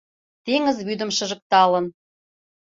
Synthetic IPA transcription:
t̪eŋə̆zβyd̪ə̆mʃɤ̆ʒə̆k̚t̪ɑlɤ̆n

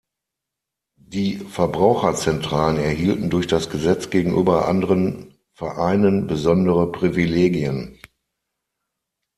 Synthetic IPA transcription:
d̥iːfɛɐbʁaʊxɐt͡sɛntʁ̥aːlənɛɐɦiːltn̩dʊɐçd̥asɡ̥əzɛt͡sɡ̥eːɡŋ̩ʔyːbɐʔa̰ndəʁən | fɛɐʔaɪnənbəzɔndəʁəpʁ̥ivileːɡiən

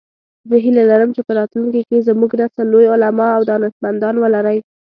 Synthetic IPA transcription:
zəɦilalaɾəmt͡ʃepəɾɑt̪lunkikezəmuɡnasalojʊlamɑawd̪ɑnət̪mand̪ɑnwəlaɾəj

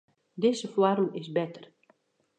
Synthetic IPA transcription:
dɪzəfwɔrmɪsbɛtər

